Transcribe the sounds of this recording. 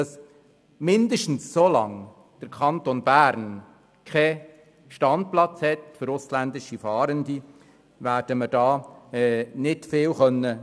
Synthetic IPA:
dɑs | mɪndəʃtn̩ssolɑ̰ŋ | d̥əɾkʰχɑnt̪onb̥æːɾn | kʰɛ | ʃtɑnt̚plɑt͡shɛtfəɾʊslændɪʃifɑːɾəndi | ʋæːɾd̥əməd̥ɑːɛnɪtfɪːwχœnːə

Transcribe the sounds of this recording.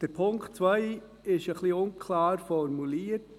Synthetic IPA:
d̥əɾpʰʊŋktt͡sʋœɪ | ɪʃəχliʊnkʰlɑːɾfɔɾmuliːəɾt

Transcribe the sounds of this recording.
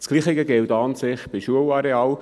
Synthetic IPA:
t͡skliːχɪɡəɡɪltɑːnsɪχb̥ɪʃuəlɑɾeɑːl

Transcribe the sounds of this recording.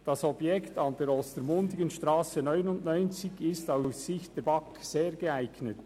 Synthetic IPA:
d̥ɑsɔbjɛktɑndɛɾɔstəɾmʊndɪɡənʃtɾaːsenœʏnʊndnɔʏnt͡sɪçɪstaʊsːɪçt̚d̥ɛbɑkseːɹɡeæɪɡnət

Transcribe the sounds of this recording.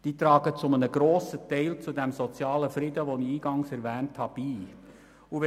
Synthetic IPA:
d̥iːt̪ɾɑːɡət͡sʊmənəɡ̥ɾoːsətɛɪlt͡sudɛmsɔt͡sjɑːləfɾɪdəʋoniiːɡ̥ɑŋsɛɾʋɛːnthɑb̥iː | uʋɛ

